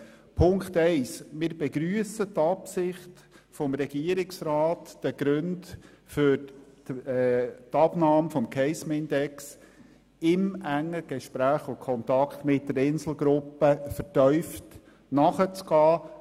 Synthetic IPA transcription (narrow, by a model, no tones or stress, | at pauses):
pʰʊŋkχt̪ɛɪsmɪːɾbɛɡɾyːəsət̪ɑpsɪχt | fɔmɾɛɡ̥iəɾɪksɾɑːtd̥əɡ̥ɾɵnd | fʏɾ | t̪ɑbnɑːmfɔmkʰɛɪsmɪnd̪ɛks | ɪmʔæŋːəɡ̥ɛʃpɾæːχʊkʰɔntɑkt̪mɪt̚ːdəɾɪnsl̩ˠɡɾʊpːəfəɾtœʏft | nɑχət͡sɡ̥ɑː